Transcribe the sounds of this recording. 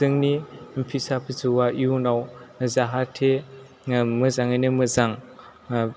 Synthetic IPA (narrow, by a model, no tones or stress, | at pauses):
zɯŋnimpʰisapʰit͡sɯwaʔjunawzaɦatʰe | mɯzaŋanɯmɯzaŋ